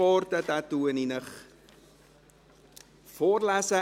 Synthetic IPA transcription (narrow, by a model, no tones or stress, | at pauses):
ɑːrtətatuəninəχ | fɔrlasə